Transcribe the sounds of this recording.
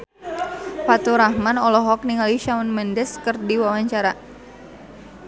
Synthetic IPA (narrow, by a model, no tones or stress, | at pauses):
fat̪uɾahmanɔlɔɦɔk̚niŋaliʃaunmɛndɛskɨrdiwawaɲt͡ʃaɾa